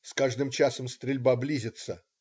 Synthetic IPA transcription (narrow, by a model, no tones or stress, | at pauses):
skaʐd̪ɨmt͡ɕasəmst̪ɾʲɪlʲbablʲizʲɪt̪sə